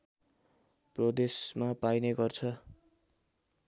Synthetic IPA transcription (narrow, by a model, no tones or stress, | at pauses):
prʌd̪esmapajneɡʌrt͡sʰʌ